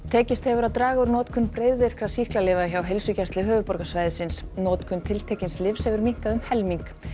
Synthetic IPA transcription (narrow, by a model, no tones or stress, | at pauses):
t̪ʰɛːcɪst̪hɛvʏɾaðt̪ɾaːɣaʏɾnɔːt̪kʰʏnːpɾeːjðɪɾ̥kʰɾasihklaleːvaðçawɦejlsʏcɛst̪lɪɦœːvʏpɔɾkasvaːjðɪsɪnsnɔːt̪kʰʏnt̪ʰɪlt̪ʰeːcɪnslɪfshɛvʏɾmiŋ̥kaðʏmhɛlmiŋk